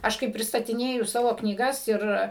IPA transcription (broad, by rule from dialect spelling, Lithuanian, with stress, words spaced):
ˈɐʃ kɐɪ pʲrʲɪstɐtʲɪˈnʲeːjʊ ˈsɑːʋoː knʲiːˈɡɐs ɪr